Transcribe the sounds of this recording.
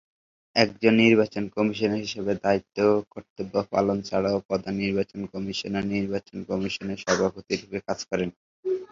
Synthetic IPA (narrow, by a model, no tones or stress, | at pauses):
ɛk̚d͡ʑonːiɾbat͡ɕonkɔmiʃoneɦiʃebed̪ait̪ːokoɾt̪obapa̰lont͡ɕaɽaopɔd̪aniɾbat͡ɕonkɔmiʃoneɾniɾbat͡ɕonkɔmiʃoneɾʃɔbʱapot̪iɾubekad͡ʑkɔɾen